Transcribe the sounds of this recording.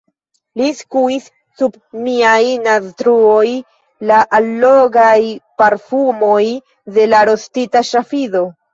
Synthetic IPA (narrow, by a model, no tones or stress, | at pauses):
liskuisː | ub | miajnastɾuoj | laʔalːoɡajpaɾfumo̞j | de̞laɾo̞stitaʃafiðo̞